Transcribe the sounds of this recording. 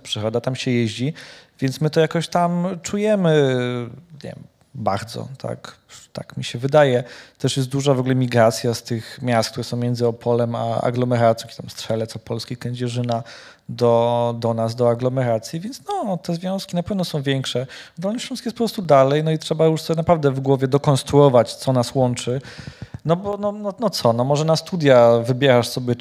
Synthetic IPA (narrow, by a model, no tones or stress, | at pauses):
pʂɘɾɔd̪at̪amɕɛjɛʑd͡ʑivʲjɛnt̪smɘt̪ɔjakɔɕt̪amt͡ʂujɛmɘ | ɲɛ̰ | ba̰ɾd̪zɔ̰t̪ʰa̰k | t̪a̰kmʲiɕɛvɘd̪ajɛt̪ɛʂjɛst̪d̪uʐavɔɡulɛmʲiɡɾat̪sʲjast̪ɘxmʲjast̪k̚t̪uɾɛsɔ̃w̃mʲjɛnd̪zɘɔpʰɔlɛma̰a̰ɡlɔmɛɾat̪sj̃kɛt̪amstʂɛlɛt̪sɔpɔlskʲikɛɲd͡ʑɛʐɘna | d̪ɔd̪ɔnaz̬d̪ɔaɡlɔmɛɾat̪sʲjivʲjɛntsnɔt̪ɛzvʲjɔ̃w̃skʲinapɛvnɔsɔ̃w̃vʲjɛŋkʂɛd̪ɔlniɕvʲjɔ̃nskʲjɛspɔpɾɔst̪ud̪alɛjnɔitʂɛbajuʂsɔnapɾavd̪ɛvɡwɔvʲjɛd̪ɔkɔnst̪ɾuɔvat͡ɕt̪sɔnaswɔnt͡ʂɘnɔbɔnɔnɔnɔt̪sɔnɔmɔʐɛnast̪ud̪ʲjavɘbʲjɛɾaʂsɔbʲjɛ